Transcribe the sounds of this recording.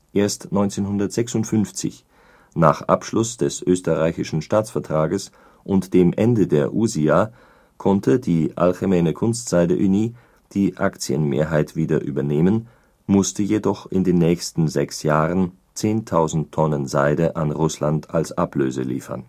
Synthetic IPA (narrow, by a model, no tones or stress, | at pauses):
ʔeːɐstnɔʏnt͡seːnhʊndɐtz̥ɛksʊntfʏnft͡sɪ̰ç | naːχʔa̰pʃlʊsd̥ɛsʔøːstəʁaɪçɪʃn̩ʃtaːt͡sfɛɐtʁ̥aːɡəs | ʔʊntd̥eːmʔɛndədeːɐʔuzia | kʰɔntʰədiːʔa̰lxemɛːnəkʰʊnstz̥aɪdə̰ʔyniː | d̥iːʔakt͡sjə̰nmḛːɐɦaɪtv̥iːdɐʔy̰ːbɐneːmən | mʊstəjedɔχɪndeːnːɛːçstn̩zɛksjaːʁən | t͡seːntʰaʊzn̩tʰːɔnənzaɪdəʔanʁʊslantʰalsʔaplø̰ːzə̰lḭːfɐ̰n